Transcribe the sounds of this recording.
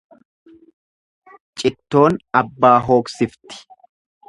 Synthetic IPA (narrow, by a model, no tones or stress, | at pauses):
t͡ʃʼɪt̪ːo̞ːnɐbːaːɦo̞ːksɪft̪ɪ̥